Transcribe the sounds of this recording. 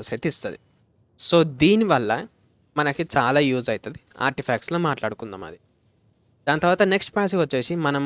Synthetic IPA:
set̪ist̪ɐd̪ḭ | so̞ːd̪iːniʋɐlːɐ | mɐnɐkit͡ʃaːlaːjuːd͡ʒɐjit̪ɐd̪ia̰ːɾʈipʰaːksloːmaːʈla̰ːɽukund̪a̰ːmɐ̰d̪i | d̪aːnɐt̪ɐɾʋaːt̪ɐne̞ksʈpaːs̬iʋɐt͡ʃːe̞ːsimɐnɐm

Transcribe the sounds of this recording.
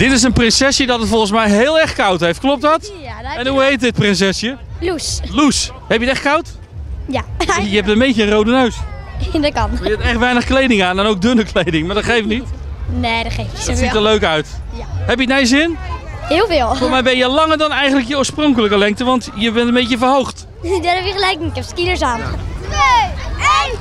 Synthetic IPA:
d̥ɪtɪs̬ənprɪnsɛsjədɔtətfɔlˠχəns̬mɛjɦɪːlˠɛɹχkɑwtɦejftklɔp̚tdɑt | ɛnɦuɦejt̚dɪt̚prɪns̬ɛsjə | luslus | hɛpjətɛχkɑwt | jajəɛp̚təmbejcəərowdənøɥs | dkɑnjɛtɛχtʋɛjnəχklejdɪŋaːnɛnowk̚dɵnəklejdɪŋmaːɹdɔtχejftnitneːdɔtχejfdɔsitəløɥkœɥtjaɦɛpjətnɛjəzɪnhɪːlˠfɪːlˠfoːɹsmɛjbɛnjəlɑŋəɹdɔnɛjχəntləkjəoːɹsproŋkələkəlɛŋk̚təʋɑntjəbɛntənmbejcəfvəɹɦowχt | dɔtɛfəχəlɛjk̚kɛpskidəɹsaːn

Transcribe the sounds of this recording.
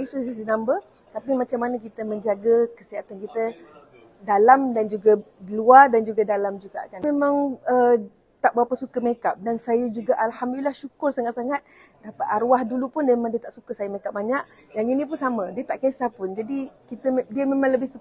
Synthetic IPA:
isusis̬inambə | t̪apimat͡ʃamːanək̬it̪əməɲd͡ʒaɡakəsiat̪ankit̪ə | dalamdand͡ʒuɡadəluardand͡ʒuɡadalamd͡ʒuɡa̰ʔkanmemãŋə | t̪aʔbəɾapəsukəmekap̚dansajəd͡ʒuɡaʔalhamdulilahʃukʊrsaŋat̪̚saŋat̪̚ | dapat̪aɾuwahdulupʊndemãŋdiət̪aʔsukəsajəmekap̚baɲaʔ | jaŋinĩp̬ʊnsamədiət̪aʔkesapʊnd͡ʒadikit̪ədiəmemãŋləbɪhsə

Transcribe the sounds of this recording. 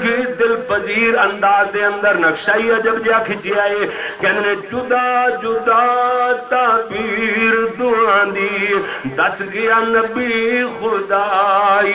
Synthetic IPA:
kʰid̪ɪlpɐziːɾɐ̃nd̪aːzd̪eːɐ̃nd̪əɾnɐkʃaːiɐd͡ʒɐbd͡ʒeakʰɪt͡ʃiaːɦeːkɐ̃nnẽd͡ʒʊd̪ad͡ʒʊd̪at̪aːbiːɾd̪ʊɽãːnd̪iː | d̪ɐsɡɪjaːnɐbixʊd̪aːiː

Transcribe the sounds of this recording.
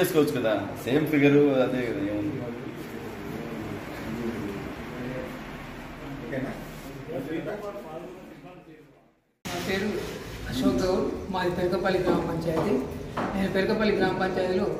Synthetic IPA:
eːsukoʋɐt͡ʃːukɐnd̪aseːmpɾiɡɐɾuɐd̪eːkɐd̪ɐeːmund̪ii | okena | maːpeːɾuɐʃoːkɐmaːɾipeɾukɐpɐliɡɾaːmɐpɐɲt͡ʃaːjd̪inanɐpeɾukɐpɐliɡɾaːmɐpɐɲt͡ʃaːɾilo

